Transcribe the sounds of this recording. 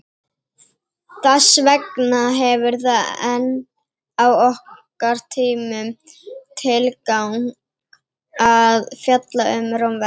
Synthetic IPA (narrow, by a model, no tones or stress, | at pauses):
θasvɛknaɦɛvʏɾθaɛn | awɔh | aɾ̥t̪ʰiːmʏmt̪ʰɪlkawn | aðfjat̪laʏmɾawmvɛ